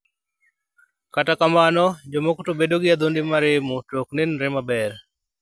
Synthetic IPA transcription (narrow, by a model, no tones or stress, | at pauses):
katakamanɔd͡ʒɔmokutobedoɡɪad̪ondɪmaɾɪmutoknenɾɪmabɛɾ